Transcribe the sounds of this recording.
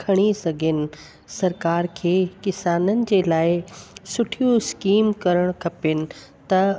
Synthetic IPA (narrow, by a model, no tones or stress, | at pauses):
kʰɐɽ̃isɐɡʱɪnɪ̆ | sɐɾkaːɾkʰeːkɪsaːnənɪ̆d͡ʑeːlaːɪsʊʈʰijuɪskiːmkɐɾəɽ̃kʰɐpɪnɪ̆ | t̪ɐ